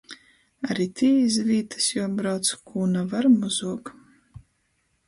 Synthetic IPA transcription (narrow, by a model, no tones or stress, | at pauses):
aɾit̪ʰiːizviːt̪ʰɨ̥sjɔbɾawt̪skʰuːnavaɾmuzuɔk